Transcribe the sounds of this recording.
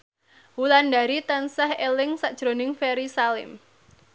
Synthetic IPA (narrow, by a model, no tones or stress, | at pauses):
wulandaɾit̪ansahelɪŋsaʔd̥ʒ̥ɾonɪŋfeɾisalɪ̰m